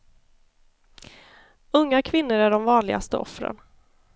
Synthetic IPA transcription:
ɵŋːakʰvɪnːʊɾæɖɔmvɑːnlɪɡa̰st̪ə̰ʔɔ̰fɾə̰n

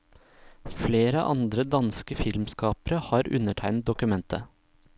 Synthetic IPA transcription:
fleːɾəʔɑ̰nd̪ɾəd̪ɑnskəfɪlmskɑːpəɾəhɑːɾʉ̰nəʈʰæɪnt̪̚d̪ʊkʉmɛnt̪ʰə

